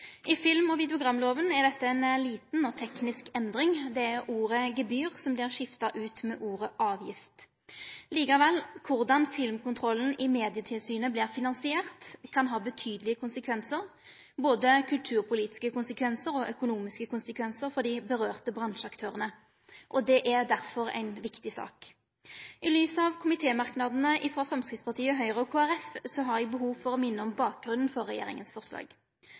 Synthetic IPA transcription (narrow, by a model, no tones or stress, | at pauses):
ʔɪfɪlmɔʋɪd̪ɛʊɡʁɑmloːʋənɛæʁd̪ɛt̪ːəɛnliːt̪nɔt̪ʰɛknɪskɛnd̪ʁɪŋd̪ɛæʁuːʁəɡɛbyːʁsɔmblɪːʁʂɪft̪ɑʔʉːt̪mɛ̰ːʔuːʁəʔɑːʋjɪft̪ | liːkɑʋɛlkʰʊʁd̪ɑnfɪlmkʊnt̪ʰʁɔlːn̩ɪmeːd̪ɪət̪ʰɪlsyːnəbliːʁfɪnɑnsɪeːʁt̪kʰɑnɦɑːbət̪ʰyːd̪əlɪəkʰʊnsəkʰʋɛnsəʁ | boːd̪əkʰʉlt̪ʰʉːʁpʰʊliːt̪ɪ̥skəkʊnsəkʰʋɛnsəɾɔʔœkʊnuːmɪskəkʊnsəkʰʋɛnsəʁfɔʁd̪ibəʁøːʁt̪əbʁɑnʂəɑkt̪ʰøːʁənə | ʔɔd̪ɛʔæd̪æʁfɔʁæ̰ɪnʋɪkt̪ɪsɑ̰ːk | ɪlyːsɑʋkʰʊmɪt̪ʰeːmɑʁknɑd̪n̩əʔɪfɾɑːfɾʁɛmskɾɪtspʰɑʁt̪ʰiːəɦœʏʁəɔkʰoːæɾɛfsɔɦɑɾjɛbəɦuːʋfɔʁɔmɪnːəɔmbɑːk̚ɡʁʉnn̩fɔʁːɛjḛːʁɪ̰ŋə̰nsfɔʁslɑ̰ːɡ